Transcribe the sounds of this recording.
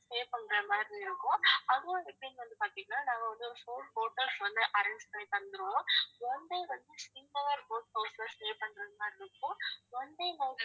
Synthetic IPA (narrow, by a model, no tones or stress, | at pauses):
sʈeːpɐɳːɾɐmaːɾɾiɪɾɯkːʊ̃ɐðɯʋõːɛpːɐɽɪnʋɐnd̪ɯpaːɾt̪iŋɡɐnaːnãːɡɐʋɐnd̪ɯɔɾɯfoːnboːʈːɐɾsʋɐnd̪ɯʔɐɾɐnsseːpɐɳd̪ɯɾõːʋɔnd̪eːʋɐnd̪ɯskɪnːɐʋaːɾboːʈ̚poːsɐsʈeːpɐɳɖɾɐmaːɾɪɾɯkːʊ̃ɔnd̪eːnãːŋɡɐ